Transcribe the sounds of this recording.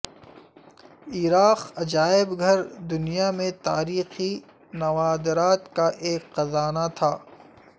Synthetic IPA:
iːɾaːqɐd͡ʒaːɪbɡʱɐɾd̪ʊnijamẽt̪aːɾiːxi | nɐʋaːd̪ɾaːt̪kaʔeːkqɐzaːnat̪ʰaː

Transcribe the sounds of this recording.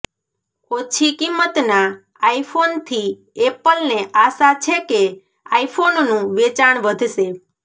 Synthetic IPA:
ot͡ʃʰikimːət̪na | aifʰont̪ʰi | epəlneʔasat͡ʃʰeke | aifʰononũʋet͡ʃaɳ̃ʋəd̪ʱʃe

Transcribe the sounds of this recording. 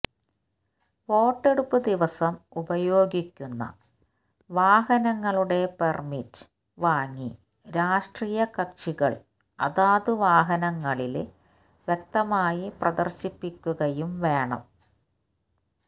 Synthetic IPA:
ʋo̞ːʈːe̞ɽupːɨd̪iʋɐsɐmubɐjo̞ːɡikʲːunːɐ̰ | ʋaːɦɐnɐŋːɐɭuɽe̞permitː | ʋaːŋːi | ɾaːʂʈriːjɐkɐkʂiɣɐɭ | ɐ̰ðaːðɨʋaːɦɐnɐŋːɐɭil | ʋjek̚t̪ɐmaːjiprɐd̪ɐ̰rɕipːikʲːuɣɐjumʋe̞ːɳɐ̰m

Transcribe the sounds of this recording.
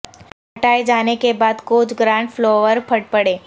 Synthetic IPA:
ɦɐʈaːed͡ʒaːnekebaːd̪koːd͡ʒɡɾãːɳɖfʰloːʋəɾpʰɐɽ̚pɐɽeː

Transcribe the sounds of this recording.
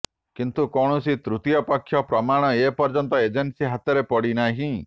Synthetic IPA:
kint̪ukɔɽ̃ɔsit̪ɾut̪ijɔpakʰːjɔpɾɔmaɽ̃ɔepɔɾd͡ʒɔnt̪ɔed͡ʒensiɦat̪ɔɾepɔɽinaɦĩ

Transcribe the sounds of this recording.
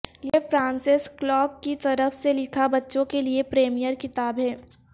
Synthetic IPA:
jefɾãːnsɪsklɔːkːit̪ɐɾəfselɪkʰabɐtːʃõkeliepɾeːmijəɾkɪt̪aːbɦɛː

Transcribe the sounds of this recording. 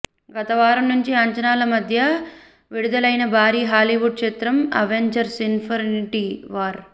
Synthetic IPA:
ɡɐt̪ɐʋaːɾɐnuɲt͡ʃiɐɲt͡ʃɐnaːlɐmɐd̪ʱjɐ | ʋiɽud̪ɐlɐjnɐbʱaːɾiːɦaːliʋuɖ̚ʂeːt̪ɾɐmɐ̰ʋeɲd͡ʒɐɾsinpʰɐɾniʈiʋaːɾ

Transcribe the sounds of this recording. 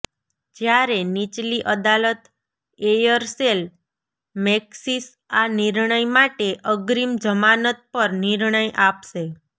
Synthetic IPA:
d͡ʒjaɾenit͡ʃliʔəd̪alət̪ | ejəɾsel | meksis | aniɾɳəjmaʈeʔəɡɾimd͡ʒəmanət̪̚pəɾniɾɳəjʔapʃe

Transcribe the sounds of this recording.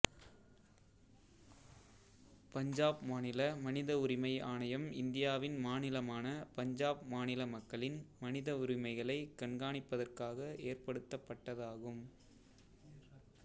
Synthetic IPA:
pɐɲd͡ʒaːbmaːnɪlɐmɐnɪðɐʊɾɪmɐɪaːnɐjɐmɪnd̪ɪjaːʋɪnmaːnɪlɐmaːnɐpɐɲd͡ʒaːb̚maːnɪlɐmɐkːɐɭɪnmɐnɪðɐʊɾɪmɐɪɣɐɭɐɪkɐɳɡaːɳɪpːɐðɐrkaːɣɐeːrpɐɽɯt̪ːɐpːɐʈːɐðaːɣɯm

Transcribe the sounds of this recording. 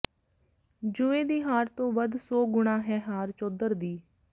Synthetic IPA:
d͡ʒʊːeːd̪iːɦaːɾt̪õːʋəd̪sɔːɡʊɳãːɦɛːɦaːɾt͡ʃoːd̪əɾd̪iː

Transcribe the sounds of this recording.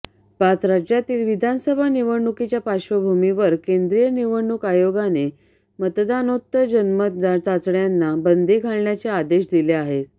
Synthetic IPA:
pat͡sɾad͡ʑjat̪iːlʋid̪ʱansəbʱaniʋəɽɳːukit͡ɕjapaɕʋəbʱumiʋəɾkend̪ɾijəniʋəɳːukajoɡane | mət̪d̪anot̪ːəd͡ʑənməat͡sat͡sɽjanːabənd̪ʱekaɭɳjat͡ɕead̪eɕd̪ileaɦe

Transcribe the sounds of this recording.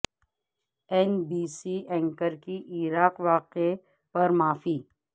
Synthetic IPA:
ɛnbiːsiʔɛ̃ːŋkəɾkiʔiɾaːqʋaːqe | pɐɾmaːfiː

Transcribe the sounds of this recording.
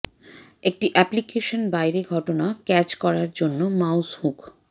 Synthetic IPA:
ek̚ʈiʔɛplikeʃonbajɾeɡʱɔʈonakɛt͡ɕkɔɾaɾd͡ʑonːomawshuk

